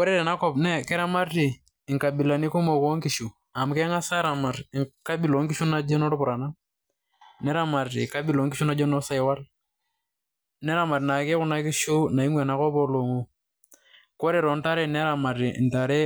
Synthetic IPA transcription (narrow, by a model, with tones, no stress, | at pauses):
kɔ˦ɾe˦ɾɛ˨na˦kɔ˦pnɛ˦kɛ˦ɾa˦ma˦ɾi˨ | ɪ˨ŋka˨bi˨la˨ni˦ku˦mo˨ko˦ŋki˨ʃu˨ | a˨m˨kɛ˦ŋa˦sa˦ɾa˨ma˨ɾŋka˦bi˨lo˨˦ŋki˦ʃu˦na˦d͡ʒɛ˦nɔ˦ɾʊ˦pʊ˨ɾa˨na˦ | nɛ˦ɾa˦ma˨ɾḭ˨ka˦bi˨lo˨˦ŋki˦ʃu˦na˦d͡ʒɔ˦nɔ˦sa˦jwa˦l | nɛ˦ɾa˦ma˨ɾna˨ke˦kʊ˦na˦ki˦ʃu˦na˨i˦ŋwɛ˨na˨˦kɔ˦pɔ˦lo˨ŋo˦ | kɔ˦ɾe˦˨ɾɔ˨nta˦ɾɛ˨nɛ˦ɾa˨ma˨ɾḭ˨nta˨ɾe˦